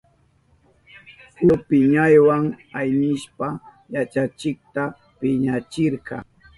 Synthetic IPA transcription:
sʊpɪɲajwaŋajnɪʃpa | jat͡ʃat͡ʃɪk̚t̪a | pɪɲat͡ʃɪɾkɑ̰

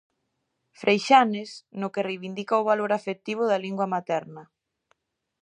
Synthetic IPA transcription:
fɾʔejʃanɪsnʊkɪrejβind̪ikaʊβaloɾafet̪iβ̞ʊðɐliŋɡwɐmat̪ɛɾnɐ

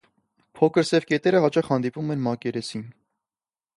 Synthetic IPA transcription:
pʰɔkʰəɾsɛvkɛt̪ɛɾəhɑt͡ʃɑχhɑnd̪ipumɛnmɑkɛɾɛsin

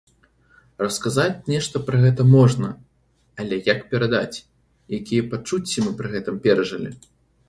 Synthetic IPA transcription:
rɐskazat͡sʲnʲɛʂt̪ɐpɾɐɣɛt̪ɐmɔʐnɐ | alʲɛjakpʲɛɾad̪a̰t͡sʲ | jakʲijɛpat͡ʂut͡sʲːimɨpɾɨɣɛt̪ɨmpʲɛɾɐʐɐlʲḭ

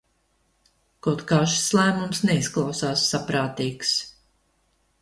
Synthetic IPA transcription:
kɔt̪kaːʃslˠæːmumsnɛisklˠawsaːsːapɾaːt̪iːks

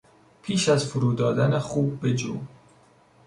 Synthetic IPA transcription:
pʰiːʃæzfuɾuːd̪ɒːd̪ænexuːb̚ːed͡ʒuː

